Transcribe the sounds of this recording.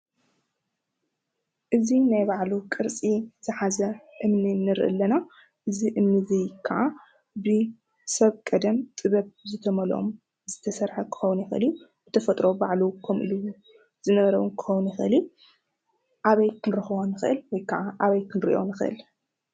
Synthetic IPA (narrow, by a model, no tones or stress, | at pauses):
ʔɨzinajbaʕlukʼɨɾt͡sʼizɨħazɐʔɨmninɨɾʔɨ̰lːɐna | ʔɨziʔɨmnɨzɨjkʰːaʕa | bɨ | sɐβkʼɐd̪ɐmt̪ʼɨβɐβzɨt̪ʰɐmɐlʔo̰m | zɨt̪ʰɐsɐɾħɐkʰɨ̥xɐwnjɪxʔɨ̰lijubɨt̪ʰɐfɐt̪ʼɾo̞baʕlukʰomʔɨ̰lu | z̥ɨnɐβɐɾɐwunkʰɨ̥xownjɪxʔɨlju | ʔaβɐjkʰɨnɾɐxɨwonɨxɨʔɨlwɔjkʰaʕaʔaβɐjkʰɨnɾiʔo̞̰nɨxɨʔɨ̰l